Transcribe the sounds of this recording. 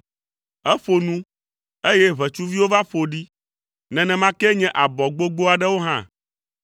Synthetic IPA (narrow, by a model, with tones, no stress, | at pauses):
ɛ˦fo˨nũ˦ | e˦jɛ˦βɛ˨t͡ʃu˦vi˦wo˦va˦ɸo˨ɖi˦ | nɛ̃˨nɛ̃˨mã˦kɛ˦ɲɛ̃˦ʔa˨bɔ˨ɡ͡bo˦ɡ͡bo˦a˨ɖɛ˦wo˦ɦã˦